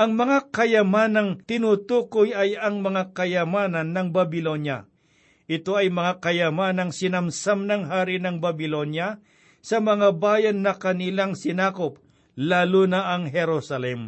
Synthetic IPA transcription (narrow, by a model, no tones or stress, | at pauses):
ʔɐŋmɐŋakɐjɐmaːnɐŋt̪ɪnut̪uːkojɐjɐŋmɐŋakɐjɐmaːnɐnːɐŋbɐbɪlonjɐ̰ | ʔɪt̪o̞ɐjmɐŋakɐjɐmanɐŋsɪnɐmsamnɐŋɦaːɾɪnɐŋbɐbɪlonjɐ | sɐmɐŋabaːjɐnːɐkɐnilaŋsɪnaːkʊp̚ | laːlunɐʔɐŋɦɛɾosɐlɛm